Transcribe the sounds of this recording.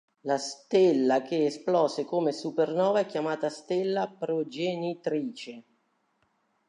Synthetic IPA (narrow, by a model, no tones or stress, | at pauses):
last̪elːak̟eesplɔːsekomesupernɔːvaɛkːjamaːt̪ast̪ɪlːapɾod͡ʒenit̪ɾiːt͡ʃe